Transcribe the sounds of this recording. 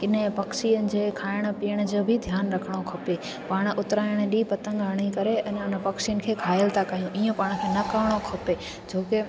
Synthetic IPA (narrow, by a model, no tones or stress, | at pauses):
ɪnpɐkʃijənɪ̆d͡ʑeːkʰaːɪɽ̃piːəɽ̃d͡ʑoːbʱɪd̪ʱjaːnɾɐkʰəɽ̃okʰope | paːɽ̃ʔʊt̪ɾaːɪɽ̃ɗipɐt̪ə̃ŋɡəɽ̃ikɐɾeʔɛ̃nʊnpɐkʃijənɪ̆kʰeːkʰaːjəlt̪ʰakaijũʔijũpaːɽ̃kʰeːnɐkəʋɪɽ̃okʰope | d͡ʑoːkɪ